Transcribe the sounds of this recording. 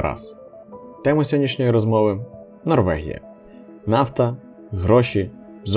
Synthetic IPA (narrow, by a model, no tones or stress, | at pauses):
ɑ̰s | t̪ɛmɪsʲɔdʲnʲiʃnʲɔjiɾɔzmɔʋɪ | nɔrʋɛ̰ɦʲḭjɐ̰ | nɑft̪ɐ | ɦɾɔʃi | z